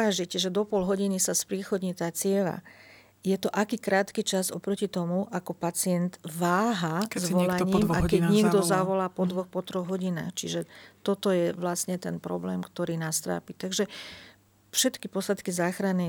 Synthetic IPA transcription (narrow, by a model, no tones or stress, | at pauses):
aʒicʒɛd̪ɔpɔlɦɔɟinisaspɾiːxɔd̪ɲit̪aːt͡sɪɛla̰ | jɛt̪ɔʔakiːkɾaːt̪kit͡ʃazɔ̰pɾɔcit̪ɔmuʔakɔpat͡sɪɛnd̪ʋaːɦazʋɔlaɲiːmakɛɲɪɛɡd̪ɔzaʋɔlaːpɔd̪ʋɔxpɔt̪ɾɔɣɦɔɟina̰ːxt͡ʃiʒɛt̪ɔt̪ɔjɛʋlastɲɛt̪ɛnpɾɔ̰blɛːmkt̪ɔɾiːnast̪ɾa̰ːpit̪aɡʒɛ | fʃɛt̪kipɔslat̪kizaːxɾanɛ